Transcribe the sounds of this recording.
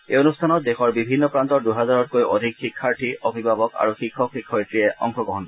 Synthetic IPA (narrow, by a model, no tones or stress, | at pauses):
eonustʰanɔt̚dexɔɹbibʱinːɔpɹantɔɹduɦɛzaɹɔtkojʔo̰dʱikxikʰːaɹtʰiobʱiɡbabɔka̰ɹuxikʰːɔkxikʰːɔitɹiɛʔɔ̰ŋxɔɡɔɦɔnɔ